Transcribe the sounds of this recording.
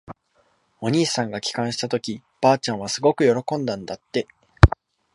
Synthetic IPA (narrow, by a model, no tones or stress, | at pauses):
o̞ɲ̟iːsãŋɡakʲi̥kãɰ̃ɕi̥t̪at̪o̞kʲi | b̥aːt͡ɕãɰ̃βasɨɡo̞kɯ̟jo̞ɾo̞kõ̞nd̪ãnd̪at̪ːe̞